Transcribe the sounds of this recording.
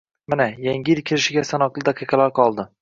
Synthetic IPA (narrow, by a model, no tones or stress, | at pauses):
manajaŋʲɪɾkʲʰɪɾɪʃɪɡʲasanɒqlˠɪd̪ɑqʰɨjqɑlaɾqʰɒlˠd̪ɪ